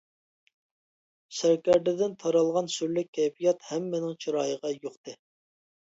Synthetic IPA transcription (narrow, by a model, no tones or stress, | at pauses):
sæɾkʲɛɾd̪ɪd̪ɪnt̪ʰɑɾɑlˠʁɑnsyɾlyk̚ʲʰːɛjfijɑt̪hɛmːɪnɪŋt͡ʃʰiɾɑːjəʁɑjoqt̪ɨ